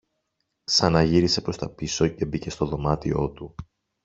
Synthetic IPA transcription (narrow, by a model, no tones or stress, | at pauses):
sɐnɐʝiɾise̞pɾo̞st̪ɐpiso̞ce̞bice̞st̪o̞ðo̞mɐt̪io̞t̪u